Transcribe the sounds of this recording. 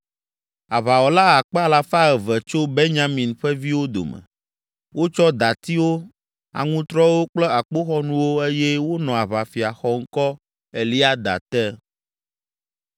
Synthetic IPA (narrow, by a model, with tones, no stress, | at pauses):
a˨βa˨wɔ˨la˦a˨k͡pɛ˦a˦la˦fa˦ɛ˨vɛ˨t͡ʃo˦be˦ɲã˦mĩ˨nɸɛ˦vi˦wo˦d̪o̰˨mɛ̰˨ | wo˦t͡ʃɔ˦d̪a˨t̪i˦wo˦ | a̰˨ŋũ˦t̪ɾɔ˦wo˦k͡plɛ˦a˨k͡po˦xɔ˦nũ˦wo˦e˦jɛ˦wo˦nɔ̃˨a˨βa˨fi˨a˨xɔ˦ŋ̩˦kɔ˦ | e˨li˦a˦d̪a̰˨t̪ɛ˦